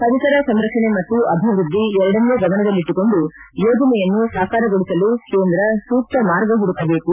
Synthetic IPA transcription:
kɐʋit̪ɐɾɐsɐmɾɐkʂɐɳe̞mɐt̪ːuʔɐbʱiʋɾud̪ʱːiɛɾɐɽɐnːuːɡɐʋɐɳɐd̪ɐlːiʈ̪ːuko̞ɳɖujoːd͡ʒɐnɛjɐnːusɐːkaːɾɐɡoɽisɐluke̞ːnd̪ɾɐsuːk̚t̪ɐmaːɾɡɐɦuɽut̪ːɐbe̞ːku

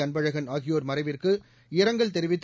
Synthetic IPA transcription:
ɐnbɐɻɐɣɐnaːɣɪjoːɾmɐrɐɪʋɪrkɯ | ɪɾɐŋɡɐɭt̪ɛɾɪʋɪt̪ː

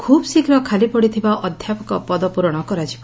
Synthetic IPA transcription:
kʰubsikɾɔkʰalipɔɽit̪ʰibaʔɔd̪ʱjapɔkɔpɔd̪ɔpuɾɔɽ̃ɔkɔɾad͡ʒibɔ

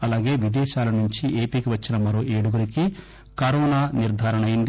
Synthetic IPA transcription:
ɐlaːɡe̞ːʋid̪ɛːʃaːlɐnuɲt͡ʃiʔe̞ːpiːkiʋɐt͡ʃːinɐmɐɾo̞ːʔeːɽuɡɐɾiki | kɐɾɔːnaːniɾd̪ʱaːɾɐɳɐjind̪i

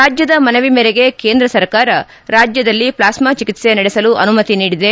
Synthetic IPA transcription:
aːd͡ʒjɐd̪ɐmɐnɐʋimɛɾeɡe̞ke̞ːnd̪ɾɐsɐɾkaːɾɐ | ɾaːd͡ʒjɐd̪ɐlːiplaːsmat͡ʃikit̪se̞nɐɽesɐluʔɐnumɐt̪iniːɽid̪e̞

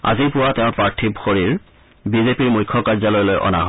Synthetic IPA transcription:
a̰zipʊwateʊ̃pɹaɹtʰibxoɹiɹ | bizepiɹmujkʰːɔkaɹzalɔjlojʔɔ̰na̰ɦɔ

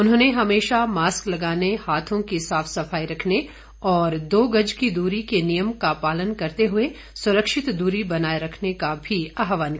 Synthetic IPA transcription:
ʊnɦõːneɦɐmeːʃamaːsklɐɡaːnehaːt̪ʰõkisaːfʰsɐfaːiɾɐkʰne | ɔːɾd̪oːɡɐd͡ʒkid̪uːɾikenijəmkapaːlənkɐɾt̪eɦʊe | sʊɾəkʃɪt̪d̪uːɾibɐnaːeɾɐkʰnekabʱiaːɦʋaːnk

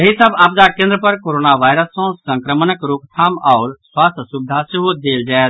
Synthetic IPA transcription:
jəɦisəbap̚d̪akẽnd̪ɾəpəɾkoːɾoːnaʋaːɪɾəsːɔ̃sə̃ŋkɾəmənəkɾupt̪ʰaːmɔːɾswaːst̪ʰəsubɪd̪ʱaseɦod̪eːld͡ʒaɛt̪

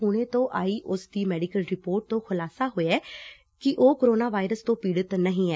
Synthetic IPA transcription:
uːɽeːt̪õːʔaːiːʔʊsd̪iːmɛːɖikəlɾɪpoːɾʈ̚t̪õːkʰʊlaːsaːɦoːeɛː | kɪʔoːkːɾoːnaːʋaːɪɾəst̪õːpiːɽət̪nəɦĩːɛː

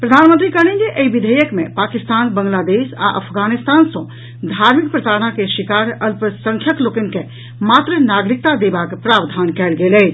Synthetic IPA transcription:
pɾəd̪ʱaːnmə̃nt̪ɾikəɽĩnd͡ʒeʔəiʋid̪ʱəjəkmḛ̃paːkist̪aːnbəŋɡlaːd̪eːsa̰ʔə̰pʰɡaːnist̪aːnsõ | d̪ʱaːɾmik̚pɾət̪aːɾəɽakeʃikaːɾəlpəsə̃ŋkʰjəklokənke | maːt̪ɾənaɡɾik̚t̪ad̪ebakpɾaːbd̪ʱaːnkɛːlɡelɛ

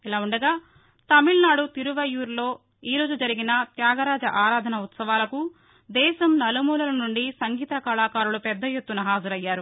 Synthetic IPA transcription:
ilaːuɳɖɐɡaː | t̪ɐmilnaːɽut̪iɾuʋɐjuːɾlo̞ː | iːɾo̞ːd͡ʒud͡ʒɐɾiɡinɐt̪jaːɡɐɾaːd͡ʒɐʔaːɾaːd̪ʱɐnɐut̪sɐʋaːlɐku | d̪ɛːʃɐmnɐlɐmuːlɐlɐnuɳɖisɐŋɡiːt̪ɐkɐlaːkaːɾulupɛd̪ːɐjet̪ːunɐɦaːd͡ʒɐɾɐjːaːɾu

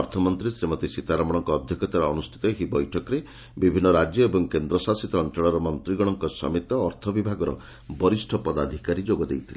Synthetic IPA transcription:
ɔɾt̪ʰɔmɔnt̪ɾisɾemɔt̪isit̪aɾamɔɽ̃ɔŋkɔːd̪ʱjɔkɔt̪aɾaɔnusʈʰi̥t̪ɔeɦibɔjʈʰɔkɔɾe | bibʱinːɔɾad͡ʒjɔebɔŋkend̪ɾɔsasit̪ɔːnt͡ʃɔɭɔɾɔmɔnt̪ɾiɡɔɽ̃ɔŋkɔsɔ̰mit̪ɔːɾt̪ʰɔbibʱaɡɔɾɔ̰ | bɔɾisʈʰɔpɔd̪ad̪ʱikaɾid͡ʒoɡɔd̪ejt̪ʰile

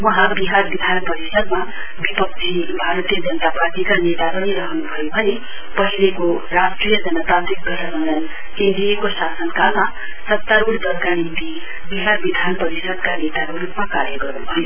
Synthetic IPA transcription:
wʌɦãbiɦarbid̪ʱanpʌɾisʌd̪̚ma | bipʌk̚t͡sʰi | bʱaɾʌt̪ijʌd͡zʌnʌt̪aparʈikanet̪aɾʌniɾʌɦʌnubʱʌjobʱʌne | pʌɦileko | rasʈrijʌd͡zʌnʌt̪at̪ɾik̚ɡʌɾʌɾʌnd̪ʌn | end̪ijekosasʌnkalma | sʌt̪ːaɾuɽd̪ʌrɡaɽ̃ind̪i | biɦarbid̪ʱanpʌɾisʌd̪̚kanet̪akoɾupmakaɾjʌɡʌɾnubʱʌjo

